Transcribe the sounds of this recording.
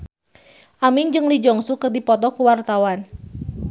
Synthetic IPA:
ʔamiŋd͡ʒɨŋlid͡ʒɔŋsukɨrdipɔt̪ɔkuwart̪awan

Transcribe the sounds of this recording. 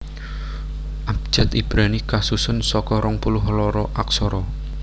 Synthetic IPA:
ʔab̥̚d͡ʒ̥a̤t̪ib̥ɾanikasusʊnsɔkɔɾɔŋpulʊɦlɔɾɔʔaksɔɾɔ

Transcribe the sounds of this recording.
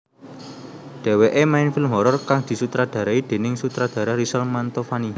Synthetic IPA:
ɖ̪̥e̤weʔemaɪnfɪlmɦɔɾɔrkaŋd̪̥i̤sut̪ɾad̪̥a̤ɾaid̪̥e̤nɪŋsut̪ɾad̪̥a̤ɾaɾisɔlmant̪ofani

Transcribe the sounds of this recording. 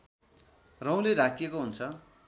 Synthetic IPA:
rʌ̃w̃leɾakʰjekoɦunt͡sʰʌ

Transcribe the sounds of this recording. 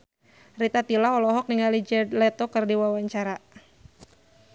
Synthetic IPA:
rit̪at̪ilaɔlɔɦɔk̚niŋalid͡ʒɛdlɛt̪ɔkɨrdiwawaɲt͡ʃaɾa

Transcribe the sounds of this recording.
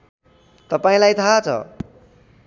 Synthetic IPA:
t̪ʌpaĩlajt̪ʰat͡sʰʌ̰

